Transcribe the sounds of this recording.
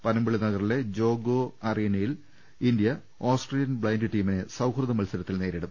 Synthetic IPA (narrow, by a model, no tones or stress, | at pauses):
pɐnɐmbiɭinɐɣɐrile̞d͡ʑo̞ːɡoːɐriːnɐjil | ind̪jɐ | oːsʈreljɐnbɭɐjndɨʈiːminesɐwkʰrɐðɐmɐlsɐɾɐt̪ːilne̞ːɾiɽum